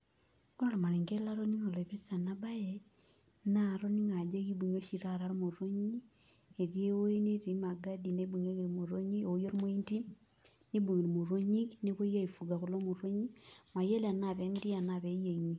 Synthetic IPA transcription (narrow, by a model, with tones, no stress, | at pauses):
ɡa˦lo˨ma˨li˨ŋɡe˦la˦ɾo˦ni˦ŋo˨le˨βe˦sa˨na˦ba˦je | naɾo˦ni˦ŋa˨d͡ʒe˦ki˦bu˨ɲo˦ʃi˨ɾaɾa˦ɾo˦mo˨ɾo˦ɲi˦ | e˨ɾje˦o˦e˦ne˦ɾi˨ma˨ɡa˦di˨ne˦bu˨ɲe˦ɣemo˨ɾo˦ɲi˦ojo˦ɾi˦mo˦i˦nti˦ | ni˦bu˨ɣi˨ɾi˨mo˨ɾo˦ɲi˦kni˦ko˦ja˦ifu˨ɡa˨ku˨lo˦mo˨ɾo˦ɲi˦ma˨je˦lea˨na˨βe˨˦mi˦ɾi˦a˨na˨βe˨je˨ɲi˦